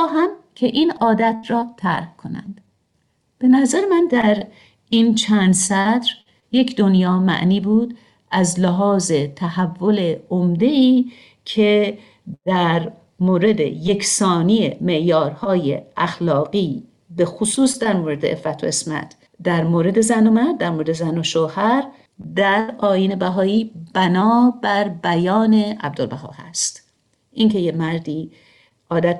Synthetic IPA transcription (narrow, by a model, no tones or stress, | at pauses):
ɑːɦæmcʰe̞ʔiːnɒːd̪æt̪ʰɾɒːt̪ʰæ̰ɾhkʰo̞næ̰nd̪̥ | b̥e̞næzæɾemænd̪æɾ | iːnt͡ʃʰænd̪sæd̪ɾ | je̞cʰd̪o̞njɒːmæ̰ʔniːbuːd̪ | æzleɦɒːze̞t̪ʰæhævːo̞le̞omd̪e̞iː | cʰe̞ | d̪̥æɾ | moːɾe̞d̪e̞̰je̞kʰsɒːnijeme̞ʔjɒːɾhɒːje̞̰ʔæxlɒːɣiː | be̞xosuːsd̪æɾmoːɾe̞d̪e̞̰ʔḛfæt̪ʰo̰esmæ̰t̪ʰ | d̪æɾmoːɾe̞d̪e̞zæno̞mæɾd̪̚ːæɾmoɾed̪ezænoʃoːhæɾ | d̪æɾɒːjiːne̞bæɦɒːiːb̥ænɒːbæɾbæjɒːne̞æ̰b̚d̪olbæɦɒ̰ːhæ̰st̪ | ʔincʰe̞jemæɾd̪iː | ɒːd̪æt̪